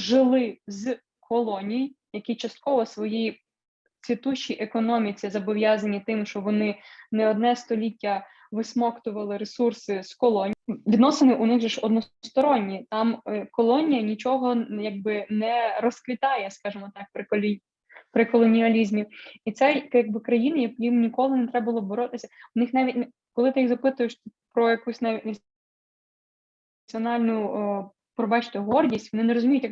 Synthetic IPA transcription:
ʒɪlˠɪz | kʰɔlˠɔnʲijijjɐkit͡ʃɐst̪̚kɔʋɔsʋɔjiji | t͡sʲʋʲit̪uʃt͡ʃiʔekɔnɔmʲit͡sʲizɐbɔʋʲjɑzɐnʲit̪ɪmʃt͡ʃɔʋɔnɪnɛɔd̪̚nɛst̪ɔlʲitʲːɐ | ʋɪsmɔkt̪ʊʋɐlˠɪɾesursɪskɔlˠɔnʲʋʲid̪nɔsenɪʔʊnɪɣʒɛʃɔd̪nɔst̪ɔɾɔnʲːit̪ɑmkɔlˠɔnʲijɐnʲit͡ʃɔɦɔjɑɡ̚bɪnɛɾɔskʋʲit̪ɑjɛskɑʒɪmɔt̪ɑk̚pɾɪ | pɾɪkɔlˠɔnʲiɐlʲizʲmʲiit̪sɛjjɐɡ̚bɪkɾɐjinɪjɐjimnʲikɔlˠɪnet̪ɾɛbʋɐlˠɔbɔɾɔt̪ɪsʲɐʊnɪxnɑʋʲitʲn | kɔlˠɪt̪ɪjixzɐpɪt̪ʊjɪʃt̪pɾɔjɐkusʲnɑʋʲitʲnɐ | iɔnɑlʲnʊ | pɾɔbɑt͡ʃɪ̥t̪ʊɦɔrdʲisʲtʲʋɔnɪnɛɾɔzʊmʲijʊtʲjɐ

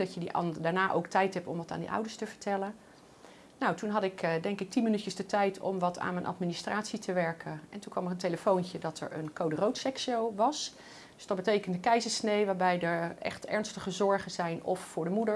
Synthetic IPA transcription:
dɑtjədiʔɑ̰daːɹnaːʔo̰wktɛjtɦɛp̚tɔmʋɑta̰ːndḭʔʌ̰wdəɹstəvəɹtʰɛlən | nowtunɦɑtɪkdɛŋkɪk̚tinmənytjəsdətɛjtʰɔ̰mʋɑtʰa̰ːnmɛnʔɑ̰tministraːtsitəʋɛɹkʰəɛntunkʋɑmərənteləfowncədɑtʰɛ̰ɹə̰nkowdərowtsɛksowʋɑs | dɵsd̥ɑtd̚bətejkəndəkɛjzəɹsnejʋaːɹbɛjdəɹɛ̰χtɛ̰ɹnstəχəzɔɹχənzɛjnɔfːʊːɹdəmudəɹ

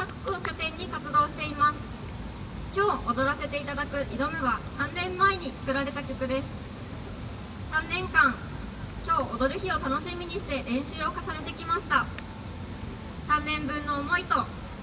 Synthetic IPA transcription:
kakɯ̥koːkʲot̪ẽ̞ɲ̟ːikat͡sɨd̪o̞ːɕi̥t̪e̞imasɨ̥ | kʲo̞ːʔod̪o̞ɾase̞t̪e̞it̪ad̪akɯ̟ʔid̪o̞mɯ̟βasãnːẽ̞mːaeɲ̟it͡sɨ̥kɯ̟ɾaɾe̞t̪akʲo̞kɯ̟d̪e̞sɨ̥ | sãnːẽ̞ŋkãŋ | kʲo̞ːʔod̪o̞ɾɯ̟çio̞t̪ano̞ɕimʲiɲ̟iɕi̥t̪e̞ɾẽ̞ɰ̃ɕɨo̞kasane̞t̪e̞kʲimaɕi̥t̪a | sãnːẽ̞mbɯ̟̃nːo̞ːmo̞it̪o̞

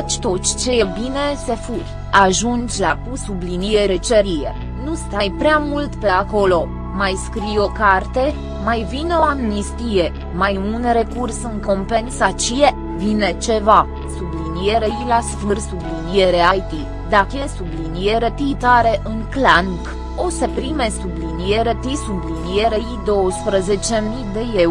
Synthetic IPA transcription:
t͡ʃʲt̪o̞t̪t͡ʃʲt͡ʃe̞jebine̞se̞furʲ | aʒund͡ʒʲlakusublinijeɾet͡ʃeɾijḛ | nust̪ajpɾeamult̪pe̞ako̞lo̞ | majskɾijo̞kart̪e̞ | majvineo̞amnist̪ije̞ | majunre̞kursɨŋko̞mpe̞nsat͡ʃije | vine̞t͡ʃe̞va | sublinije̞ɾejlasfɨrsublinie̞ɾeajt̪i | d̪akəjesublinije̞ɾet̪it̪aɾeʔɨŋklaŋk | o̞sepɾime̞sublinije̞ɾet̪isublinije̞ɾeid̪o̞wəspɾəze̞t͡ʃe̞mid̪e̞je

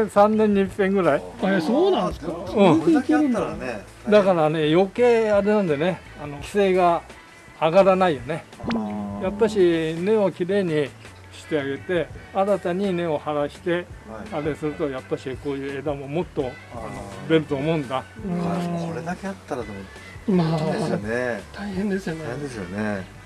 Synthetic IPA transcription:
sãnːẽ̞ɲ̟ːipːẽ̞ŋɡɯɾaiesoːnãskaɯ̃ikiɾɯ̃nan | d̪akaɾane̞jo̞ke̞ːaɾe̞nãnd̪e̞ne̞ | ano̞kʲi̥se̞ːɡaː | ɡaɾanaijone̞ | japːaɕine̞o̞kʲiɾe̞ːɲ̟i | ɕi̥t̪e̞aɡe̞t̪e̞aɾat̪aɲ̟ine̞o̞haɾaɕi̥t̪e̞aɾe̞sɨɾɯ̟t̪o̞japːaɕiko̞ːjɯ̟ːe̞d̪amo̞mo̞t̪ːo̞ | anod̪e̞ɾɯ̟t̪o̞ːmo̞ɯ̟̃nd̪a | oɾed̪akeat̪ːaɾat̪omo | manet̪aihẽnd̪esɨjoneed̪esɨjo̰ne

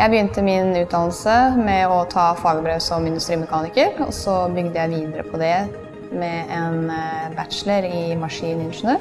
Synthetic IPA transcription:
jæɪbəjʏnt̪əmɪnʉːt̪d̪ɑːnl̩səmɛɔt̪ʰɑːfɑːɡəbɾøːsɔmɪnd̪ʉst̪ɾiːmɛkʰɑːnɪkəɾɔ̰sɔbʏɡd̪əjæɪʋiːd̪əɾə̰pʰɔd̪ɛ | mɛɛnbæt̪ʃləɾɪmɑʂiːnəɪnʂnøːɾ

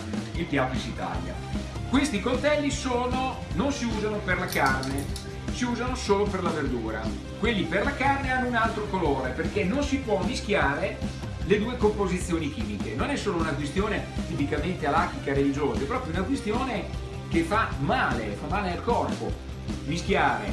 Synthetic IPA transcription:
ilt̪jaːpisit̪a̰lja̰kwest̪ikolt̪ɛlːisoːno | nonsiuːzanoperlakarne | siuːzanosoːloperlaverd̪uːɾa̰ | kwelːiperlakarneanːounalt̪ɾokoloːɾeperkenːonsipwɔmːiskjaːɾe | led̪uːekompozit̪sːjoːnik̟iːmikenonɛsːoːlounakwest̪joːnet̪ipikament̪ealak̪ikaɾelid͡ʒoːzaɛpːɾɔːpɾjounakwest̪joːne | k̟efamaːlefamːaːlealkɔrpo̰ | misk̟jaːɾḛ

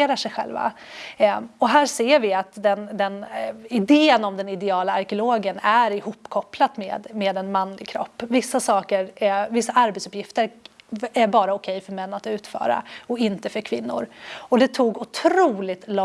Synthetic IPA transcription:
eːɾaʂɛjɧɛ̰lva̰ | ɔɦæːʂeːɾvɪat̪d̪ɛnd̪ɛnɪd̪eːənɔmd̪ɛnɪd̪ɛɑːlaaɾkɪʊloːɡənæɾɪhuːpːkʰɔplat̪mḛːd̪meːd̪ɛnmanːlɪɡkʰɾɔ̰pːvɪsːasɑːkəɾvɪsːaʔaɾbɛt̪sɵ̥pjɪft̪əɾæbɑːɾaʊkʰɛjfœɾmɛnːat̪ʉ̟ːt̪fœ̰ːɾa̰ɔɪnt̪əfœɾkʰvɪnːʊ̰ɾɔd̪ɛt̪ʰuːɡʊt̪ʰɾuːlɪt̪lɔ

